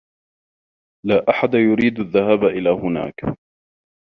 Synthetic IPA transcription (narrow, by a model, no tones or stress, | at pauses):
laːʔaħad̪ajʊɾiːd̪aðːahaːbaʔɪlaːhʊna̰ːk